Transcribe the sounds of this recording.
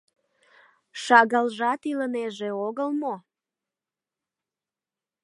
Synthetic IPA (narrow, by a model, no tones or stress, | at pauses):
ʃɑɣəlʒɑt̪iləneʒeoɣəlmo